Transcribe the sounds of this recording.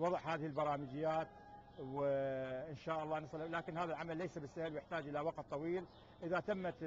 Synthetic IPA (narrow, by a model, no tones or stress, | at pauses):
wɑðˤəʕhaːðɪhɪlbɑɾˤɑːmɪd͡ʒɪjːaːt̪ | wɪʔɪnʃaːʔɑlˤːɑːnɑsˤllaːkɪnhaːðalʕamalːejsabɪsːahɪlwjɪħt̪aːd͡ʒʔɪlawɑqt̪̚ˤt̪ˤːɑwiːl | ʔɪðat̪amːa